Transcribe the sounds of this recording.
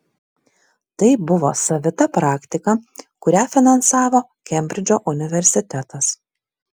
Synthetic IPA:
t̪ɐɪbʊʋo̰ːsɐʋʲɪt̪ɐpɾɑːkt̪ʲɪkɐkʊɾʲæːfʲɪnɐnsɑːʋoː | kʲɛmʲbʲɾʲɪd͡ʒʲoːʔʊnʲɪʋʲɛɾʲsʲɪt̪ʲɛt̪ɐs

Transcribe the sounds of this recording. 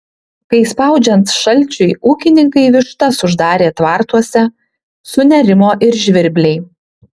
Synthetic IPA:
kɐɪspɑˑʊd͡ʒʲɛnt̪ʃɐlʲˑt͡ʃʲʊɪʔuːkʲɪnʲɪŋkɐɪʋʲɪʃt̪ɐsʊʒd̪ɑːɾʲeːt̪ʋɑːɾt̪uɔsʲɛ | sʊnʲɛɾʲɪmoːʔɪɾʒʲʋʲɪɾʲbʲlʲɛɪ

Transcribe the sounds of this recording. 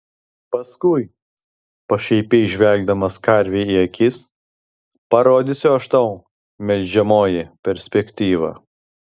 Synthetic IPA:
pɐskʊɪ | pɐʃʲɛɪpʲɛɪʒʲʋʲɛlʲɡ̚d̪ɐmɐskɐɾʲʋʲeːiɐkʲɪs | pɐɾoːd̪ʲɪsʲoɐʃt̪oʊ | mʲɛlʲd͡ʒʲɛmoːjɪpʲɛɾʲsʲpʲɛkʲt̪ʲiːʋɑ̰

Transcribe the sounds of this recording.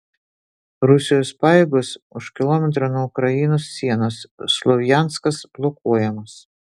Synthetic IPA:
ɾʊsʲɪjoːspɑːjeːɡʊsʊʃkʲɪlˠɔmʲɛt̪ɾonuɔʊkɾɐjɪnoːsːʲiɛnoːsːlˠɔʋʲjænt̪skɐsb̥lˠɔkuɔjɛmɐs

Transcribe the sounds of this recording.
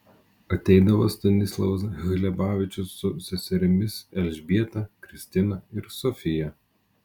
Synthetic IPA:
ɐt̪ʲɛɪd̪ɐʋost̪ɐnʲɪslˠɐʋɐs̬ɣʲɪlʲɛbɑːʋʲɪt͡ʃʲʊsːʊsʲɛsʲɛɾʲɪmʲɪsɛʒʲbʲiɛt̪ɐkɾʲɪsʲt̪ʲɪnɐɪɾsɔfʲɪjɛ

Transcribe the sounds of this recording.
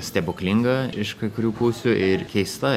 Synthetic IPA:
sʲt̪ʲɛbʊkʲlʲɪŋɡɐɪʃkɐɪkʊɾʲuːpuːsʲʊʔɪɾkʲɛɪst̪ɐ

